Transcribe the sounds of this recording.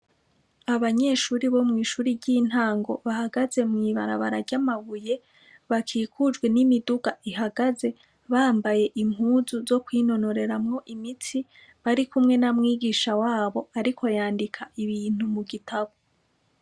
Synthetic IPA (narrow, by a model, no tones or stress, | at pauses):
aβaɲe̞ːʃuːɾiβo̞mŋiːʃuːɾiɟiːn̥haːŋɡo̞̰βahaɡaze̞mŋiːβaɾa̰βa̰ɾaɾɟamaβuje̞ | βakʰiːkʰud͡ʒɡwe̞nimiduɡaiɦaɡaze̞ | βaːmbaje̞ʔim̥huːzuzo̞kwiːno̞no̞ɾe̞ɾamŋo̞ʔimit͡si | βaɾikumŋe̞namŋiːɡiːʃawaːβo̞aɾikʰo̞jaːndikʰaʔiβiːn̥humuɡitʰaβo